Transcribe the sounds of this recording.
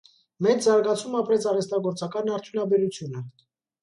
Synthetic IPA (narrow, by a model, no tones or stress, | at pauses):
mɛt͡szɑɾɡɑt͡sʰumɑpɾɛt͡sʰɑrɛst̪ɑɡɔɾt͡sɑkɑnɑɾt̪ʰjunɑbɛɾut͡sʰjunə